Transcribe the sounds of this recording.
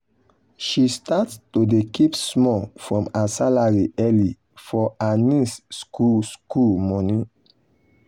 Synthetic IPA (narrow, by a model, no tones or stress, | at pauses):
ʃistatstodekipsmɔfɹɔ̃masalaɹiʔɛli | fɔanisskuskulmɔnĩ